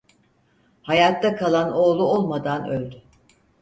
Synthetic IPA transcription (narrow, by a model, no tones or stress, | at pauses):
hajat̪ːakʰalˠano̞ːlˠuolˠmad̪anølʲd̪y